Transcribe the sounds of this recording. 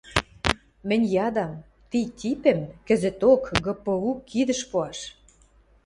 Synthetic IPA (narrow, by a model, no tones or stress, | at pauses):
mɘ̆nʲjɑd̪ɑm | t̪it̪ʲipĕmkə̆zə̆t̪okɡɤ̆pɤ̆ukːid̪ə̆ʃpoɑʃ